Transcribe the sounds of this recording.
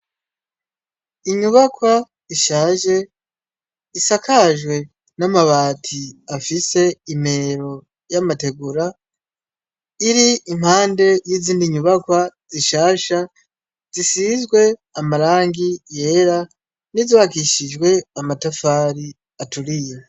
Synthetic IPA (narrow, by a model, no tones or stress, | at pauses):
iɲuβakwa | iʃaːʒe̞ | isakʰaʒwe̞ | namaβaːtʰiafise̞ime̞ɾo̞ | jamate̞ɡuɾa | iɾiim̥haːnde̞jiziːndiɲuβakwaz̥iʃaːʃa | z̥isizɡwe̞amaɾaːŋɡije̞ːɾa | niziβakiʃid͡ʒɡwe̞amatafaːɾi | atuɾije